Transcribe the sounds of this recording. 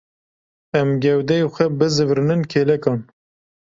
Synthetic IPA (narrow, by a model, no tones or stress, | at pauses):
ɛmɡɛwd̪ɛjoxʷɛbɨzɨvɾɨnɨnkʰeːlɛkɑːn